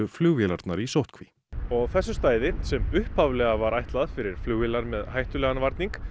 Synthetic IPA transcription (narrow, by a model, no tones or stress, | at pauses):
ʏflʏɣvɪlaɾt̪naɾisowht̪kʰvi | ɔɣθɛsːʏst̪aːjðɪsɛmʏhphavlɛɣavaɾʔajht̪laðfɪɾɪɾ̥flʏɣvilaɾmɛðɦajht̪ʏlɛːɣanvaɾt̪niŋk